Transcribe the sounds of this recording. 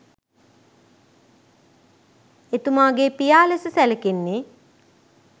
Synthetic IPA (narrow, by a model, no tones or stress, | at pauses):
et̪umaːɡeːpijaːlesəsæləkenːe